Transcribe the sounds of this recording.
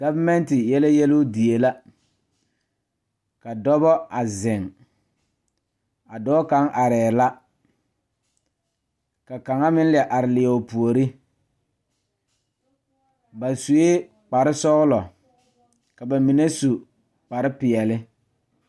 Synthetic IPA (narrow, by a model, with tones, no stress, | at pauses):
ɡ̥a˦va˦mɛ˦ntɪ˨jɛ˦la˦jɛ˦lʊ˦di˨e˨la˦ | ka˨dɔ˦bɔ˦a˨zɪ˨ŋ | a˨dɔː˦ka˨˦ŋʔa˨ɾɛː˨la˦ | ka˨ka˨ŋa˦mɪ˦n˦lɪ˨ɛ˨ʔa˨ɾɪ˨lɪ˨ɛ˨ʊ˨pu˨o˨ɾi˦ | ba˨su˨e˦ | k͡pa˨ɾɪ˦sɔ˦ɣlɔ˨ | ka˨ba˨mi˨ne˦su˨ | k͡pa˨ɾɪ˦pɪ˨ɛ˨lɪ˦